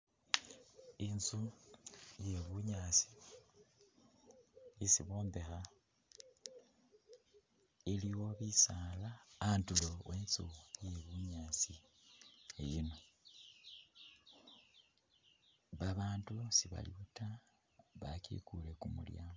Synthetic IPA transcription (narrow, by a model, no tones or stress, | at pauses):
inzu | je̞βuɲat͡si̥ | isiβo̞ːmbe̞xa | iliwo̞βisaːlaːntulowenzuje̞βuɲaːt͡si | ejino̞ | βaβaːntusiβa̰ljuta | βakḭkulekumṵljaːmo